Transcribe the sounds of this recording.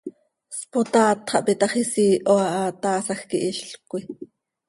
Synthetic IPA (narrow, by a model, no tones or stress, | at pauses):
spot̪ɑːt̪χɑʔpit̪ɑχisiːʔoɑʔɑt̪ɑːsɑxkiʔiʃɬkʷi